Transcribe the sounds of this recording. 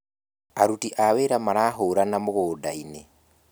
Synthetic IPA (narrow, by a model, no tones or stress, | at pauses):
aɾutiʔaβeːɾamaɾaːɦoːɾanamuɣoːdaine